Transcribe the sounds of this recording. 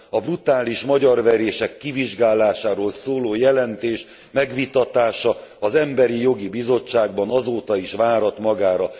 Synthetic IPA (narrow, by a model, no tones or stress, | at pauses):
ɒbrut̪aːliʃmɒɟɒrʋɛɾeːʃɛkːiviʒɡaːlaːʃaːɾoːlsoːloːjɛlɛnt̪eːʃ | mɛɡʋit̪ɒt̪aːʃɒɒzɛmbɛɾijo̞ɡibizo̞t͡ʃːaːɡbɒnɒzoːt̪ɒiʃʋaːɾɒt̪mɒɡaːɾɒ